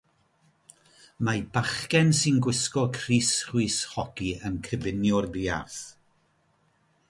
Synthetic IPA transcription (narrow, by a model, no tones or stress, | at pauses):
mabaχkɛnsɨnɡwɪskɔkʰr̥iːsχwɨːshɔɡ̥iənkʰəbɪnjʊrðiːa̰θ